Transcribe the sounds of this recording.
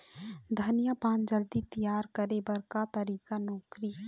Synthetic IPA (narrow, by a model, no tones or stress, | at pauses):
d̪ʱənijapãːnd͡ʒəld̪it̪əjaːɾkəɾebəɾkat̪əɾiːkanɔːkɾi